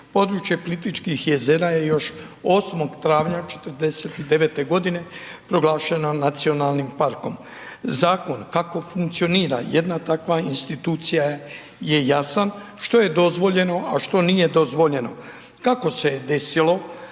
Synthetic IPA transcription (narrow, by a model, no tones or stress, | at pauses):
po̞d̪ɾuːt͡ʃjepolit̪it͡ʃkixje̞zeɾaje̞jo̞ʃo̞smo̞ɡt̪ɾaːʋɲat͡ʃe̥t̪əɾd̪e̞set̪id̪e̞ʋet̪e̞ɡo̞d̪ine̞pɾo̞ɡlˠaːʃenonat̪sio̞nalˠnimpaɾko̞m | zaːko̞nkako̞fuŋkt̪sio̞niːɾa̰jed̪nat̪akʋainst̪it̪uːt̪sija | je̞jasan | ʃt̪o̞je̞d̪o̞zʋo̞ʎe̞no̞aʃt̪o̞nije̞d̪o̞zʋo̞ʎe̞no̞ | kako̞sed̪e̞silo̞